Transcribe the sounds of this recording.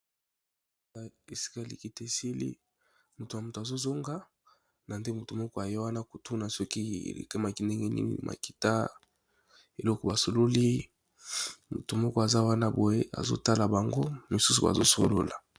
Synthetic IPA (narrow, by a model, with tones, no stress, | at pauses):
a˨e˨si̥˦ka˦li˨ki˨te˨si˦lḭ˦ | mu˨tu˨ja˨mu˨to˨a˨zo˦zo˦ŋɡa˦ | na˨nde˦mu˨tu˨mɔ˦kɔ˦a˨je˦wa˦na˦ko˨tʰu˦na˨sɔ˦kḭ˦˨lḛ˨ke˦ma˨ki˦nde˦ŋɡe˦nḭ˦nḭ˦mʔa̰˨ki̥˨ta̰˦ | e˨lɔ˦kɔ˨ba˨so˨lo˦li˦ | mṵ˨tu˨mɔ˦kɔ˦a˨za˦wa˦na˦bo˨je˦ʔa̰˨zo̰˦ta˦la˨ba˨ŋɡo˦mu˨su˦su˨ba̰˨zo̰˦so˨lo̰˦la˨